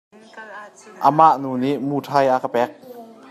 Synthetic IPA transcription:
ʔamaʔnuːniʔmuːt̪ʰajʔakapɛk̚

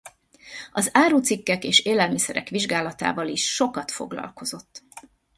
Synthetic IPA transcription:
ɒzaːɾuːt̪sikːɛkeːʃeːlɛlmisɛɾɛ̰kʋiʒɡaːlɒt̪a̰ːvɒliʃːo̞kɒt̪fo̞̰ɡlɒ̰lko̞zo̞t̪ː

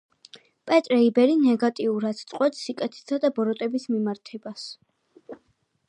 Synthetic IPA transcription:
pʼɛt̪ʼɾɛibɛɾinɛɡat̪ʼiuɾad̪st̪sʼqʼwɛpsːikʼɛt̪ʰɛ̥sad̪abɔɾɔt̪ʼɛbismimaɾt̪ʰɛbas

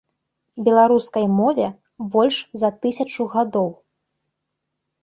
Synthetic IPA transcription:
bʲɛlˠaɾuskɐjmɔvʲɛ | bɔlʲʂzɐt̪ɨsʲɐt͡ʂuɣad̪ɔw

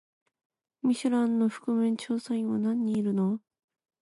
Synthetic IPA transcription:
mʲiɕɨɾãnːoɸɯ̟̥kɯ̟mɯ̃ɲt͡ɕoːsãĩβanãɲ̟ːiːɾɯ̟no

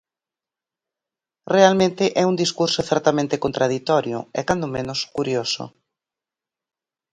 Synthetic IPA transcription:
realmẽnt̪ɪʔɛund̪iskuɾsoθɛɾt̪amẽnt̪ekont̪ɾað̞it̪ɔɾjʊ̰ɛ̰kand̪omẽnʊskuɾjosʊ̰

